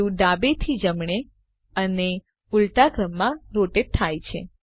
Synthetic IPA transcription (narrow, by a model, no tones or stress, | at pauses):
ũd̪abet̪ʰid͡ʒəmɳ̃e | əne | ulʈaɡɾəmːãɾoʈet̪ʰajt͡ʃʰḛ